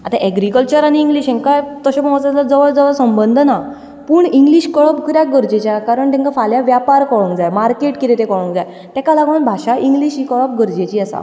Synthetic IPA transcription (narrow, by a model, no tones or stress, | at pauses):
a̰t̪aʔɛɡɾikəlt͡ɕəɾaniːŋɡliːɕɛ̃ŋkajt̪əɕapə̃mət͡sat̪lad͡zəʋəɭd͡zəʋəɭsəmbənd̪ʱna | puːɳiŋɡliɕkəɭɔpkəɾjak̚ɡəɾd͡ʑet͡ɕjakaɾəɳt̪ɛ̃ŋkafaljaʋjapaɾkɔɭũŋkd͡zajmaɾkeʈkit̪et̪ekɔɭũŋkd͡zaj | t̪ɛ̃kalaɡʋəɳbʱaɕaʔĩŋɡliːɕikəɭəp̚ɡəɾd͡ʑet͡ɕiːəsa̰